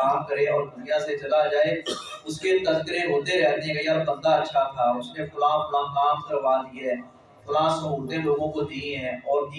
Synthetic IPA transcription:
aːmkəɾẽɔːɾd̪ʊnjãset͡ʃɐlad͡ʒaːeʊsket̪ɐskəɾeɦoːt̪eɾɛɦnekaijaːɾbə̃nd̪aətːʃʰat̪ʰaːʊsnexʊlaxʊlãkaːmkəɾʋad̪iaɦɛː | xʊlasõɦʊːt̪ẽloːɡõkod̪iɦɛ̃ːɔːɾ

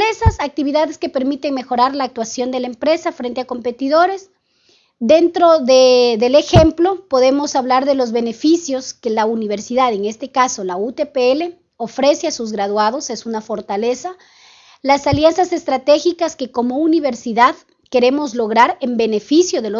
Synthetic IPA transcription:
ɾesasak̚t̪iβiðaðeske̞pe̞ɾmit̪e̞ŋme̞xo̞ɾaɾlaːk̚t̪wasjo̞nd̪e̞laempɾe̞safɾe̞nt̪e̞ako̞mpe̞t̪iðo̞ɾe̞s | d̪e̞nt̪ɾo̞ðeðe̞lexe̞mplo̞po̞ðe̞mo̞saβlaɾðe̞lo̞zβe̞ne̞fisjo̞ske̞launiβ̞eɾsiðaðeŋe̞st̪e̞kaso̞laut̪epeele | o̞fɾe̞se̞asuzɣɾaðwað̞o̞se̞sunafo̞ɾt̪ale̞sa | lasaljansase̞st̪ɾat̪e̞xikaske̞ko̞mo̞uniβe̞ɾsiðað | ke̞ɾe̞mo̞zlo̞ɣɾaɾembe̞ne̞fisjo̞ðe̞lo

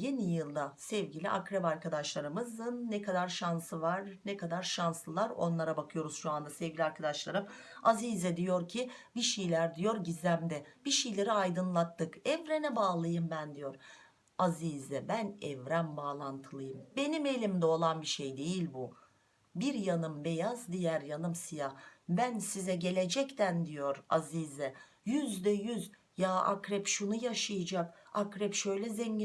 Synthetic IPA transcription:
je̞nijɯlˠd̪asɛvɟilʲḭʔakɾɛbaɾkʰad̪aʃlˠaɾɯmɯzɯnːɛkʰad̪aɾʃansɯvaɾnɛkʰad̪aɾʃanslˠɯlˠaɾo̞̰nlˠaɾabakʰɯjo̞ɾuz̥ʃuand̪asɛvɡʲilʲaɾkʰad̪aʃlˠaɾɯm | azizɛd̪ijo̞ɾcʰibiʃijlʲæɾd̪ijo̞ɾɟizʲæmd̪ɛb̥iʃejlʲe̞ɾiajd̪ɯnlˠat̪ʰːɯkɛvɾenɛbaːlˠajɯmbænd̪ijo̞ɾ̥ | azizɛbænɛvɾænbaːlˠant̪ʰɯlˠɯjɯmbe̞nime̞lʲimd̪ɛo̞lˠanbiʃe̞jd̪e̞jilʲbu | biɾjanɯmbejazd̪ijæɾjanɯmsijahbænsizɛɟe̞lʲed͡ʒɛct̪ʰænd̪ijo̞ɾa̰ziːzɛ | jyzd̪ɛjyz | jaːʔa̰kɾɛpʃunujaʃajɯd͡ʒakakɾɛpʃø̞jlʲɛzeɲɟi

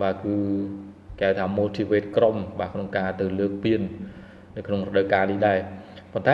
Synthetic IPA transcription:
ɓaːkɨː | kawt̪ʰaːmoːlt̪ʰiːʋeːt̪̚kromɓaːkʰnoŋkaːt̪ɨwləːk̚piən | nɨwkʰnoŋrɔɗəwkaːnihɗaɛpont̪a

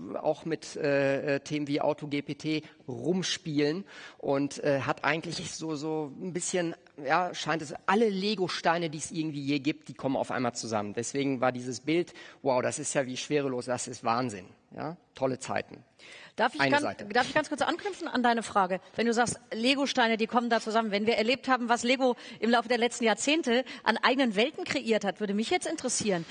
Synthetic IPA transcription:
a̰ʊxmɪtʔɛːʔɛːtʰeːmənviːʔa̰ʊtʰoɡeːpʰeːtʰeː | ʁʊmʃpiːlənʔʊntʔɛːɦatʔa̰ɪɡŋ̩tlɪçz̥oːzoːnbɪsçən | jaːʃaɪntɛsʔaləleːɡoʃtaɪnədiːəsʔɪɐɡŋ̩tv̥iːjeːɡiːp̚t̚d̥iːkʰɔməna̰ʊfʔa̰ɪnmaːlt͡suza̰məndɛsv̥eːɡŋ̩va̰ːɐdiːzəsb̥ɪltwaʊdasɪstjaːviːʃv̥eːʁəloːsd̥asɪstv̥a̰ːnzɪ̰n | ja̰ːtʰɔlət͡sa̰ɪtn̩ | d̥aɐfɪçaɪza̰ɪtədaːɐfɪçɡ̥ant͡skʊɐt͡sʔa̰nknʏpfn̩a̰ndaɪnəfʁ̥aːɡəvɛnduːzaːkstleːɡoʃtaɪnədiːkʰɔməndaːt͡suzamənvɛnviːɐʔɛɐleːp̚thaːbm̩vasleːɡoʔɪmlaʊfədeːɐlɛt͡stn̩jaːɐt͡seːntəʔa̰nʔa̰ɪɡənənvɛltn̩kʁ̥eʔiːɐthatv̥ʏɐdəmɪçjɛt͡stɪntəʁəsiːʁən

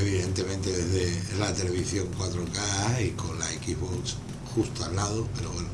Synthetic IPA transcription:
eβiðe̞nt̪e̞mẽnt̪eðezðelat̪e̞le̞β̞iθjo̞ŋkwat̪ɾokaiko̞nlaekiɦβoks | xust̪oalːaðope̞ɾoβweno

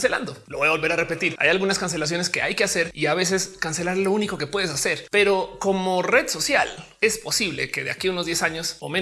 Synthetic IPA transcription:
sela̰nd̪o̞loβo̞jaβo̞lβe̞ɾare̞pe̞t̪iɾa̰jalɣunaskans̬elas̬jo̞ne̞ske̞a̰jke̞ase̞ɾiaβe̞s̬e̞skanse̞laɾlo̞uniko̞ke̞pwe̞ðes̬ase̞ɾpe̞ɾo̞ko̞mo̞re̞ðso̞sja̰l | e̞spo̞siβle̞̰ke̞ðea̰kiuno̞zðje̞saɲo̞so̰me

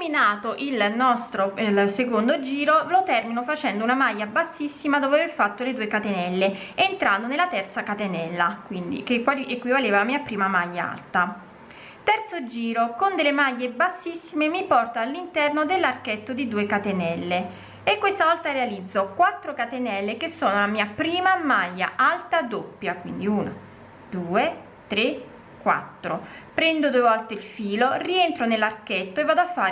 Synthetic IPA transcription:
minaːt̪oʔilnɔst̪ɾoilsekond̪od͡ʒiːɾolot̪ɛrminofat͡ʃɛnd̪ounamajːabasːisːimad̪oːvaverfat̪ːoled̪uːekat̪enɛlːeent̪ɾand̪onelat̪ɛrt̪sakat̪enɛlːakwind̪ḭkekwaliekːwivaleːvalamiːapɾiːmamajːaa̰lt̪a | t̪ɛrt̪sod͡ʒiːɾokond̪elːemaʎːebasːisːimemipɔrt̪aːlːint̪ɛrnod̪elːarkɛt̪ːod̪id̪uːekat̪enɛlːe | ekːwest̪avɔlt̪arealid̪zːokwat̪ːɾokat̪enɛlːekesːoːnolamiːapɾiːmamaʎːa̰ʔalt̪ad̪opːjakwḭnd̪iuːna̰ | d̪uːe | t̪ɾe | kːwa̰t̪ːɾopɾɛnd̪od̪uevɔlt̪eilfiːloriɛnt̪ɾonelːarkɛt̪ːoevːaːd̪oafːa

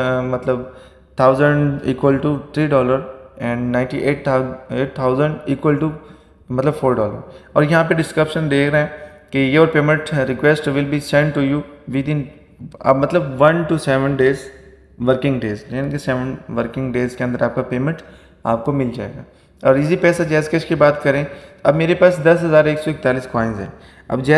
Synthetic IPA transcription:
mɐt̪ləb | t̪ʰaʊzə̃ɳḭːkwəlʈut̪ʰɾiːɖɔːləɾɛ̃ːɳɖnãɪ̃ɳʈiʔeːʈeːʈ̚t̪ʰaːʊzə̃ɳɖiːkwəlʈu | mɐt̪ləbfoːɾɖɔːlə̰ɾɔːɾjɐɦãp̬eɖɪskɾəpʃə̃nd̪eːkʰɾɐɛ̃ | kijoːɾpeːmə̃ɳʈɾɪkʋɛsʈʋɪlbisɛ̃ɳʈʈːujuːʋɪd̪ɪ̃n | ɐ̰mɐt̪ləbʋɐ̃nʈusɛʋə̃nɖeːz | ʋəɾkɪ̃ŋɡɖeːzjaːnikesɛʋə̃nʋəɾkɪ̃ŋɡɖeːzkeɐ̃nd̪əɾaːp̚kapeːmə̃ɳʈ | a̰ːp̚komɪld͡ʒa̰ːḛːɡa̰ː | ɔːɾɪs̬ipɛːsat͡ʃɛːsket͡ʃkibaːt̪kɐɾẽɐbmeːɾepaːsd̪ɐsɦɐzaːɾeːksɔɪk̚t̪aːliːskɔːɪ̃nzɦɛ̰̃ː | ɐ̰bd͡ʒɛ

